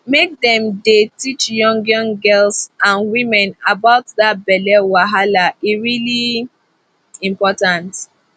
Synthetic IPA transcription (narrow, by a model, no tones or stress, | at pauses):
mek̚dɛ̃mdetit͡ʃjɔ̃ŋɡjɔ̃ŋɡɛlsãnwĩmɛ̃nabaʊtðat̚bɛlɛwaɦalaiɹili | ĩmpɔtãnt